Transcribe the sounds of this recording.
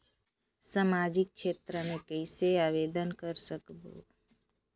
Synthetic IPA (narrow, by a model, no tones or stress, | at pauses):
samad͡ʒɪk̚t͡ʃʃʰeːt̪ɾəmẽkəɪseaʋed̪ənkəɾsəkbo̰